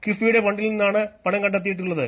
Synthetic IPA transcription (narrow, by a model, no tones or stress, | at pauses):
kifijuɽe̞pɐɳɖilninːaːɳɨpɐɳɐŋkɐɳɖɐt̪ːijiʈːuɭːɐðɨ